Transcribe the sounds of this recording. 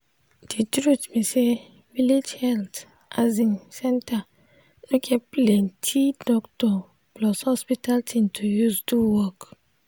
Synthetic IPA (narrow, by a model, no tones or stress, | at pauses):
d̥itɾutmise | viled͡ʒhɛlt | ʔazĩnsɛ̃nta | nukʰɛplentʰidɔktɔ | blɔshɔspitaltʰĩmtʰujusduwɔk